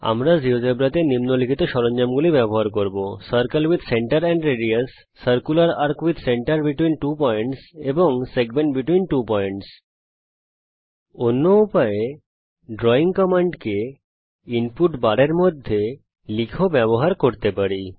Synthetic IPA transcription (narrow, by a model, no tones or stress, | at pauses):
a̰mɾad͡ʑiod͡ʑebɾat̪enimnolikʰit̪oʃɔɾoɲd͡ʑamɡulibɛboɦaɾkoɾbosɐɾkalwid̪ʱseɳʈaɾɛɳɖɾeɖiasː | ɐɾkulaɾaɾkwid̪ʱseɳʈaɾbiʈwinʈupɔeɳʈseboŋseɡmeɳʈbiʈwinʈupɔeɳʈs | onːoupae | ɖɾɔiŋkɔmaɳɖke | inpuʈbaɽeɾmod̪ʱːe | likʰobɛboɦaɾkoɾt̪epaɾi